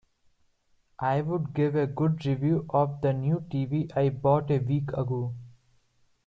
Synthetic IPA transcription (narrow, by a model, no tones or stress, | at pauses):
ʔaɪʋʊɖɡɪʋeɡʊɖɾiʋjuːʔɔːʋd̪ənjuːʈiːʋiːʔaɪbɔːʈeʋiːkʰəɡoː